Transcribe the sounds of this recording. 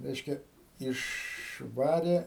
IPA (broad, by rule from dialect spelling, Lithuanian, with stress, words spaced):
ˈrʲɛɪʃʲkʲɛ ɪʃˈʋɑːrʲeː